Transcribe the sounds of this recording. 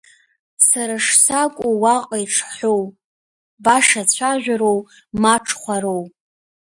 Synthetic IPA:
saɾaʂsakʷʼuwaqʼaiʈ͡ʂʰħʷow | baʂat͡ɕʷʰaʒᶣaɾow | maʈ͡ʂʰχʷaɾow

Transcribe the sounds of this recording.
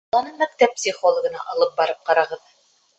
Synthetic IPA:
ɑnɤmæk̚t̪æp̚psʲiχolˠə̆ɡɤ̆nɑʔɑlˠɤp̚bɑɾɤp̚qɑɾɑʁɤð

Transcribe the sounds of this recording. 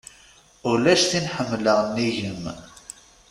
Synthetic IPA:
ʊlæʃθinħəmːləʁnːiʝəm

